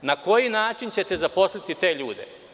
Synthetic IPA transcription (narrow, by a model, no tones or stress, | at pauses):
nako̞jinaːt͡ʃint͡ɕe̞t̪ezapo̞slˠit̪it̪e̞ːʎuːd̪ḛ